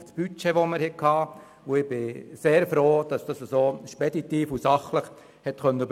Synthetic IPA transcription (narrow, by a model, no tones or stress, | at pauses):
ftsb̥yt͡ʃeʋoməɾhɛkʰɑː | oɪb̥ɪseːɾfɾoːd̥ɑsd̥ɑsəsoːʃpɛdit̪iːfusɑχləχ | hɛtkœnːəb